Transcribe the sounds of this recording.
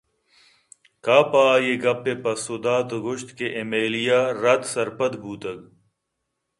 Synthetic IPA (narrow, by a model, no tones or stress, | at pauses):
kaːpaːjeɡɐpːepɐsod̪aːt̪oɡuɕt̪keʔemeːlijaːɾɐt̪sɐɾpɐt̪buːt̪ɐɡ